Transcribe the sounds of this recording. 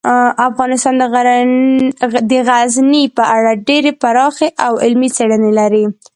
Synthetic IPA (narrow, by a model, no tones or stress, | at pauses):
afɣɑnɪst̪ɑnd̪əɣ | d̪əɣaznipəʔaɽaɖeɾepaɾɑxeʔawɪlmit͡seɽənelaɾi